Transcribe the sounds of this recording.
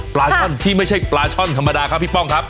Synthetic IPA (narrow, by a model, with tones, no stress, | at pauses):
plaː˧t͡ɕʰɔ˥˩nt̪ʰiː˥˩ma˥˩jt͡ɕʰa˥˩jplaː˧t͡ɕʰɔ˥˩nt̪ʰa˧mːa˧daː˧kʰa˦˥˩pʰi˦˥˩pːɔ˥˩ŋkʰa˦˥p̚